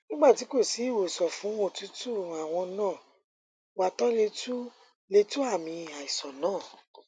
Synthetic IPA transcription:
nĩ˦ɡ͡ba˦˨ti˨˦ko˦˨si˨˦i˦˨wo˨sɔ˨fũ˨˦o˦˨tu˨˦tu˦˨a˨w̃ɔ̃˧nãː˦˨ | wa˨tɔ˦le˧tu˦ | le˧tu˦a˦˨mĩ˧a˨i˨sɔ˨nãː˦˨

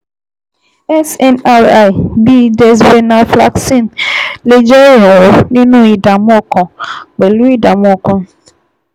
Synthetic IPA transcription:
ɛ˦sɛ˦na˦ɾa˦˨jbi˦de˨s̬be˦na˨fla̰˦˨ksi˦˨nle˨d͡ʒe˦ɾi˨a˨o˨nɪ̃˦nʊ̃˦i˨da˨m˦ɔ˦kɔ̃˨ɡ͡be˨lu˦i˦da˨mɔ˦kɔ˦n

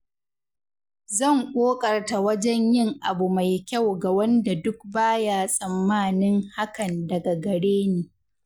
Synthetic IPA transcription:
zɐ˦˨ŋkʷʼoː˦kʼɐ˨rta˨wɐ˦d͡ʒɛ˦ɲjɪ˦ŋʔa˨bu˨ma˨jkʲa˦˨wɡa˨wɐ˦nda˨dʊ˦k̚baː˦jaː˦sʼɐ˨mːaː˦nɪ˦ŋha˦kɐ˨ndɐ˨ɡa˨ɡɐ˨ɽeː˦neː˨

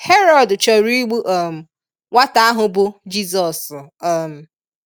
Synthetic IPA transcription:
he˦ɾɔ˦˨dt͡ʃɔ˨ɾi˦ɡ͡bu˦ʔɔ˦˨m̩˨ | wa˦ta˨˦a˦ɦʊ˨bʊ˨d͡ʒi˦zɔ˨sm̩˨

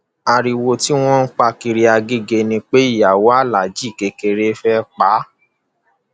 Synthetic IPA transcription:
a˧ɾi˧wo˧ti˦w̃ɔ̃˦n̩˦k͡pa˦˧ki˧ɾi˧a˧ɡe˦ɡe˧nĩ˧k͡pe˦i˦˨ja˨wo˨˦a˦˨la˨d͡ʒi˦˨ke˨˧ke˧ɾe˧˦fɛ˦k͡pa˨˦

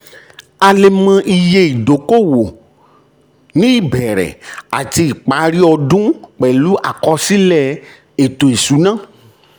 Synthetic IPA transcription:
a˧le˧mã˧ʔi˧je˧i˨do˨˦ko˦˨wo˨ | nĩ˦i˦˨bɛ˨ɾɛ̰˨a˨ti˧i˨k͡pa˨˦ɾi˦ɔ˧dũ˦k͡pɛ˨lu˨˦ʔa˨kɔ˧si˦lɛ˦˨ | e˨to˨e˨su˨˦nã˦˨

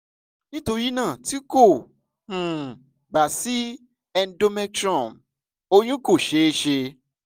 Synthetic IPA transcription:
nĩ˦to˧ɾi˦nãː˦˨ti˦ko˦˨ | hũ˨ | ɡ͡ba˨si˦ | ɛ˧n˦do˧mɛ˧tɾɔ̃˦˨m | o˧jũ˦ko˦˨ʃe˨˦ʃe˧

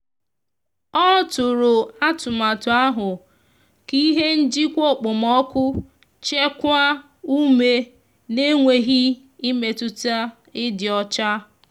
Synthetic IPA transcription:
ɔ˦tʊ˨ɾʊ˨a˦tʊ˨ma˨tʊ˨a˦ɦʊ˨ | ki˦ɦe˦n̩˦d͡ʒi˦kʷo˦˨k͡pʊ˨mɔ˦kʷʊ˦ | t͡ʃe˦kʷa˦ | u˦me˨ | ne˦ŋʷe˨ɦi˦ | i˦me˨tʊ˦ta˦ | ɪ˦dɪ˨ɔ˦t͡ʃa˦

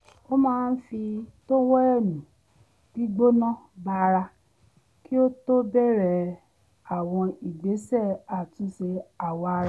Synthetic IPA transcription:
o˦mãː˦˧n̩˦fi˧to˦wɔ˦ɛ˦˨nũ˨ | b̥i˦ɡ͡bo˦nã˦ba˧ɾa˧ | ki˦o˦to˦bɛ˦˨ɾɛ˦˨ | a˨w̃ɔ̃˧i˨ɡ͡be˨˦sɛ˦˨a˨tũ˨˦se˧a˨wa˧ɾa˧˦

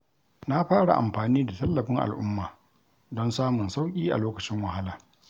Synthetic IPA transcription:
na˦ɸaː˦ɽa̰˨ʔa̰˨mɸaː˨niː˦da˨tɐ˦lːɐ˨ɸɪ˦ŋʔa̰˨lʔʊ˦mːaː˨ | dɔ˦nsaː˦mʊ˨nsa˦wkʲʼiː˦ʔa̰˨loː˦kɐ˨t͡ʃɪ˦ŋwɐ˨ɦa˦laː˨

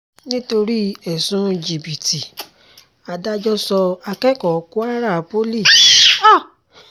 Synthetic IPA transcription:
nĩ˦to˧ɾi˦ɛ˨sũ˦˧d͡ʒi˨bi˨ti˨ | a˧da˦d͡ʒɔ˦sɔ˧a˧kɛ˦kɔ˨˦ku˦a˦ɾa˦˨˦po˦li˦˨s

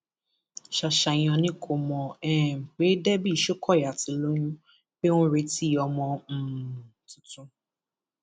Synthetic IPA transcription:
ʃa˨ʃa˨j̃ɔ̃˧nĩ˦kʰo˨mɔ̃˨ɛ˦˨m̩˨k͡pe˨˦dɛ˦bi˦˨ʃo˦kʰɔ˦˨ja˨ti˨lo˦ɲũ˦ | be˦w̃ɔ̃˦ɾe˧ti˦˨ɔ˧mɔ̃˧m̩˨ | tu˨tũ˧

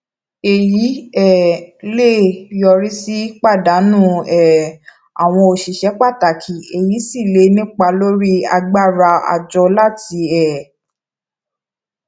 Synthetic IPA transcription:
e˨ji˨˦ɛ˦˨le˦˨jɔ˧˨ɾi˦si˦k͡pa˦˨da˨˦nũ˦˨ɛ˦˨ | a̰˨w̃ɔ̃˧o˧ʃi˨ʃɛ˨˦k͡pa˦˨ta˨kʰi˨e˨ji˨˦si˦˨le˧nĩ˦k͡pa˧lo˦ɾi˦a̰˧ɡ͡ba˦˨ɾa˧a̰˨d͡ʒɔ˧la˦ti˧ɛ˦˨

